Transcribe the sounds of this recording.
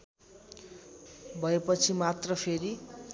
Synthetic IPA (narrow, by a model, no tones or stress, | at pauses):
bʱʌepʌt͡sʰimat̪rʌpʰeɾi